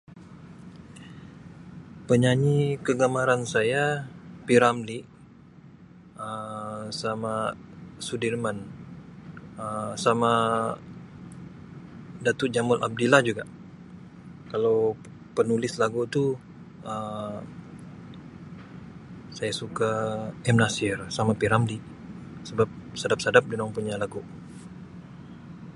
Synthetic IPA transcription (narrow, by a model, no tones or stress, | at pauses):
pəɲaɲikəɡamaɾansajapiɾamliʔ | əsamasudirman | əsama | dat̪uʔ̚d͡ʒamʊlʔa̰b̚dilahd͡ʒuɡaʔ | kalaw | pənulɪslaɡut̪u | ə | sajasukaɛmnasɪrsamapiɾamli | səbap̚sadap̚sadap̚dimaŋpuɲalaɡu